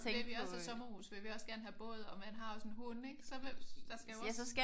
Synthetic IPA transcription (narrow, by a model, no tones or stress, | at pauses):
eʋeʋiɒsɒsɒ̽mɐhṵsʋe̝ʋiɒ̽sɡ̥æɐnɦæb̥ɔ̽ːð̞̩ˠɒ̽mænɦɑ̈josɔn̩ɦuneɡ̥sɒ̽ed̥ɑ̈sɡ̥æjæsɒsɡ̥æ